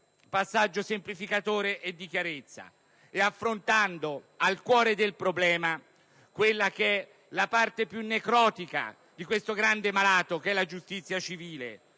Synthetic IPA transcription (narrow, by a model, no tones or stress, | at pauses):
pasːad͡ʒːosemplifikat̪oːɾeʔed̪ːik̟jaɾet̪sːa̰ | eafːɾont̪and̪o | alkwɔːɾed̪elpɾoblɛːma | kwelːakeɛ | lapart̪epjunːekɾɔːt̪ika̰ | d̪ikwest̪oɡɾand̪emalaːt̪okɛlːad͡ʒust̪it̪sːjat͡ʃiviːlḛ